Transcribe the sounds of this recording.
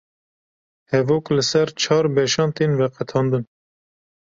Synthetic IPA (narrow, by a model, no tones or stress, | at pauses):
hɛvoːklɨsɛɾt͡ʃʰɑːɾbɛʃɑːnt̪invɛqɛt̪ʰɑːnd̪ɨn